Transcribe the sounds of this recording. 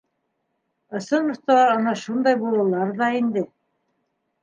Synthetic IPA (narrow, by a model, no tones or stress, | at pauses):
ɤ̆sɤnmŏst̪ɑɑɤnɑʃund̪ɑjbulˠɤ̆lˠɑɾðɑind̪ɘ